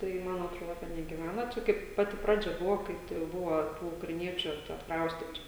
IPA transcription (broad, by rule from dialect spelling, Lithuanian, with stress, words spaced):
ˈtɐɪ ˈmɐn ɐtˈroːdɐ nʲɛɡʲɪˈʋʲænɐ ˈt͡ʃʲɛ ˈkɐɪp ˈpɑːtʲɪ ˈprɑːd͡ʒʲɛ bʊʋoː ˈkɐɪ tɐɪ jɛʊ ˈbʊʋɐ ˈtuː ʊkrɐɪˈnʲiɛt͡ʃʲʊ t͡ʃʲɛ ɐtkˈrɐʊsʲtʲɪtʊ